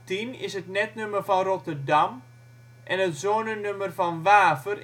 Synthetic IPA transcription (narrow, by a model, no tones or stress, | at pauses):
tinɪ̰sətnɛtnøməfɔnrotərdam | ʔɛnətzoːnənømərfɔnʋaːvər